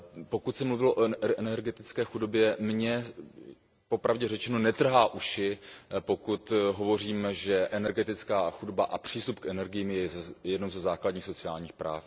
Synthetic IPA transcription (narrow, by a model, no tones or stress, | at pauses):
po̞kut̪sɛmluvɪloʔoɛʔɛnɛɾɡɛt̪ɪt͡skɛːxudo̞bjɛmɲɛ | po̞pɾavɟɛrɛt͡ʃɛnonɛt̪r̩ɦaːʔuʃɪpo̞kut̪ɦo̞vo̞r̝iːmʒɛʔɛnɛɾɡɛt̪ɪt͡skaːxudobaʔapr̝̥iːst̪upkʔɛnɛɾɡɪjiːmjɛzjɛdnomzɛzaːkladɲiːxsot͡sɪaːlɲiːxpɾa̰ːf